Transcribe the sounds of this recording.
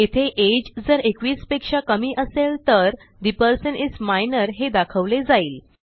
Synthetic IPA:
et̪ʰeʔed͡ʑd͡zəɾekʋiːspekʂakəmiːʔəseɭt̪əɾ | d̪ipəɾsənismajnəɾɦed̪akʰəʋled͡zaiːl

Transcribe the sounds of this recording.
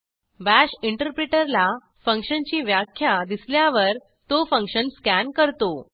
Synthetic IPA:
ʋæɕiɳʈəɾpɾeʈəɾla | fəŋkʂənt͡ɕiːʋjakʰːjad̪isljaʋəɾ | t̪ofəŋkɕənskænkəɾt̪o

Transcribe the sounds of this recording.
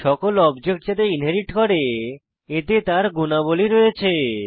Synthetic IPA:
ʃɔkolɔbd͡ʑek̚ʈ̚d͡ʑat̪̬einɦeɾiʈkɔɾe | et̪et̪aɾɡunaboliɾoet͡ɕʰe

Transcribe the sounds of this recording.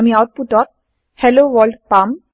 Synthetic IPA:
miaʊʈ̚puʈɔʈ̚ | hɛloʋɔlɖpam

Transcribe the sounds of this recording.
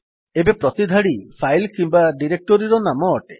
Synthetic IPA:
ebepɾɔt̪id̪ʱaɽipʰajlkimbaɖiɾek̚ʈɔɾiɾɔnamɔːʈe

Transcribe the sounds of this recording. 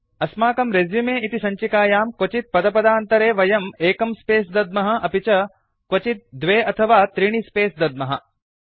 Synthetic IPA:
ɐsmaːkɐmɾed͡ʒjumeːit̪isɐɲt͡ʃikaːjaːmkʋɐt͡ʃit̪̚pɐd̪ɐpɐd̪aːnt̪ɐɾeːʋɐjɐmeːkɐmspeːsd̪ɐd̪̚mɐɦɐ̆ʔɐpit͡ʃɐ | kwɐt͡ʃit̪̚d̪ʋeːɐt̪ʰɐʋaːt̪ɾiɳ̃ispeːsd̪ɐd̪mɐɦɐ̰

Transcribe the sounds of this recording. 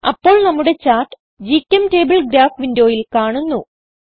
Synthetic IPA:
ɐ̰pːo̞ːɭnɐmːuɽe̞t͡ɕaːrʈɨ | d͡ʑitʲːɐmte̞ːbɐɭɡɾaːfʋindo̞ːjilkaːɳunːu

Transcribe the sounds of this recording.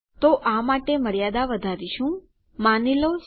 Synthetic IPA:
t̪oʔamaʈeməɽjad̪aʋəd̪ʱaɾiʃũ | manilos

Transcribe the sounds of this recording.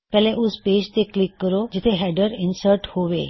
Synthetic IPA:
pɛlɛ̃ʔusped͡ʑt̪eklikːəɾod͡ʑit̪ʰeɦɛɖəɾinsəɾʈhoʋḛ

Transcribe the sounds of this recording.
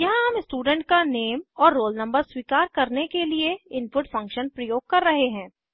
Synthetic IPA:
jɐɦãɦɐmɪsʈuːɖɛ̃ɳʈ̚kaneːmɔːɾːoːlnɐ̃mbəɾswiːkaːɾkɐɾnekelieɪnpʊʈfʰɐ̃ŋkʃənpɾɐjoːɡ̚kɐɾːɐɦeɦɛ̃ː

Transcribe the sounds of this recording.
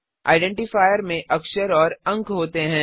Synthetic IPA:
a̰ːɪɖɛ̃ːɳʈɪfaːjəɾmẽʔɐkʃəɾɔːɾɐ̃ŋkɦoːt̪eɦɛ̃ː

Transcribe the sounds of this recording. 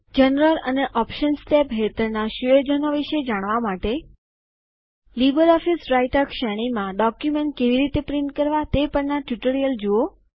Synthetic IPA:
d͡ʒənɾələneʔɔpʃənsʈepɦet̪əɾnaʃueɾd͡ʒənoʋiʃed͡ʒaɽ̃ʋamaʈe | libəɾɔfisɾaiʈəkʃɛɽ̃imãɖɔkjumeɳʈ̚keʋiɾit̪epɾɪɳʈkəɾʋat̪epəɳnaʈjuʈəɾijəld͡ʒuo

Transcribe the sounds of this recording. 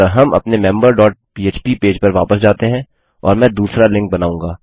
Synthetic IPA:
ɦɐmɐ̰pnemɛ̃mbəɾɖɔːʈ̚piːeːt͡ʃpipeːd͡ʒpɐɾʋa̰ːpəsd͡ʒaːt̪eɦɛ̃ | ɔ̰ːɾmɛ̃ːd̪uːsɾalɪ̃ŋk̚bɐnaːũːŋɡaː

